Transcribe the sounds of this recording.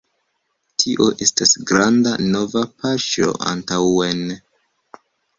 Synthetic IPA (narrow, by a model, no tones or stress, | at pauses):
tʰiʔo̞ʔe̞stasɡɾandano̞vapaʃo̞̰ʔa̰ntawen